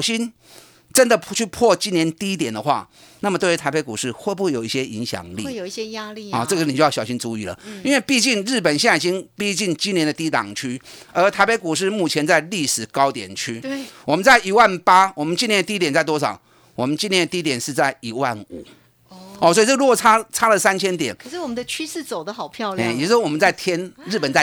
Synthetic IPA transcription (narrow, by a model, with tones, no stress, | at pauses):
ʊɕi˥n | ʈ͡ʂə˦˥nd̪ə˨t͡ɕʰy˥˧pʰwɔ˥˧t͡ɕi˥njɛ˧˥˦nt̪i˥˦t̪̬jɛ˨˩nd̪ə˦xwa̰˥˧na˥˩mət̪we˥˩ɪy˧t̪ʰa˧˥ɪpe˧˥ɪku˨˩ʂɻ̩˥˧xwe˥˧ɪp̬u˥˩jo˨˩ʊi˥˩ɕjɛ˦˥ʔi˧˥ŋɕjɑ̰˨˩ŋlḭ˥˩o˨˦jaɔ˧˨ʈ͡ʂɤ˥˩ɡə˩ni˨t͡ɕo˧jɑ˥˩ɕɑ˨˩ʊɕi˦nt͡su˧˥i˨˩lə̰˩i˥nwe˥˧ɪpi˥˧t͡ɕi˥˧ŋɻɻ̩˥˩p̬ə˨˩nɕi˥˧a˨˩ɕi˥npi˥˧t͡ɕi˥˩ŋt͡ɕi˥njɛ˧˥nd̪ə˨t̪i˥t̪ɑ̰˨˩ŋt͡ɕʰy˥ə˧˥t̪ʰa˧ɪpe˧˥ɪku˨˩ʂ̬ɻ̩˥˧mu˥˩t͡ɕʰjɛ˧˥nt͡sa˥˧ɪli˥˩ʂɻ̩˨˩kɑ˥ʊt̪jɛ̰˨˩nt͡ɕʰy˥˩wɔ˨mə˦nt͡sa˥˩ɪʔi˧˥wa˥˩npa˥wɔ˨˩mə˦nt͡ɕi˥˧njɛ˥nd̪ət̪i˥t̪jɛ˨˩nt͡sa˥˩ɪt̪wɔ˥ʂɑ̰˨˩˦ʊ | wɔ˨˩mə˦nt͡ɕi˥˧njɛ˥˩nət̪i˥˧˥t̪jɛ˨˩nʂɻ̩˥˧t͡sa˥˩ɪi˧˥wa˥˩nṵ˨˩˦ | ɔ˧˨swɔ˧˥i˨t͡sə˥˩˧ɻu˥kɔ˨˩t͡sʰa˥t͡sʰa˥lə˨sa˥nt͡ɕʰjɛ˥nt̪jɛ˨˩˦n˨˩ʂ̩˥˩wɔ˨˩mə˦nd̪ə˧t͡ɕʰy˥ʂɻ̩˥˩t͡so˨˩ʊd̪ə˦xɑ˨˩ʊpʰjɑ˥˧ʊe˥˩˨jwɔ˥wɔ˨˩mə˦t͡sa˥˩ɪt̪ʰjɛ˥nɻ̩˥˩pə˨˩nt͡sa˥˩ɪ